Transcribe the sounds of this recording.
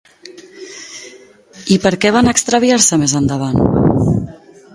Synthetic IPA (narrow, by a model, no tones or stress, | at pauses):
ipəɾkɛβanəkst̪ɾəβiaɾsəmezənd̪əβ̞an